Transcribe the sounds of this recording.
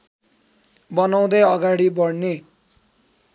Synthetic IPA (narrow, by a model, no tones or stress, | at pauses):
bʌnaw̃d̪ʌjʌɡaɽibʌɽne